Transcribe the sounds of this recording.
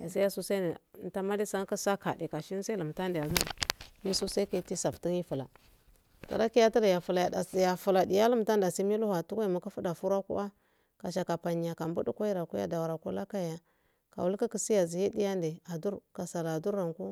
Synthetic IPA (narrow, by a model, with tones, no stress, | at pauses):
a˨sa˦ja˦su˦sa˦˨˦ta˦ma˦di˦sa˦ŋ˦ka˦sa˦ka˨di˨ka˨ʃi˦n˦sa˦i˦lə˨m˨ta˦ndja˨zu˦˨mi˦su˦sa˦ke˦ti˦sa˨pti˦ŋi˦fu˨la̰˨ | ta̰˨ɾa˦ki˦ja˦ti˦ɾa˨ja˨fu˨la˨a˨ja˨fu˨la˨di˨ja˦lu˦m˨ta˦nda˨si˦mi˦lu˦ha˨tu˦kʷa˦i˨ma˨ka˦fu˦da˨fu˦ɾa˦kṵ˦ʔa˦ | ka˨ʃa˨ka˨pa˨ɲi˨a˨ka˨mbu˦du˦kʷa˦i˦ɾa˨ku˦ja̰˦da˨wa˨ɾa˨ku˦la˦ka˦ja˦ | ka̰˨wu˦lka˦ki˦si˦ja˨zi˨ji˦di˦ja˦nde˨a˨du˦ɾka˨sa˨la˨du˦ɾa˨ŋku˦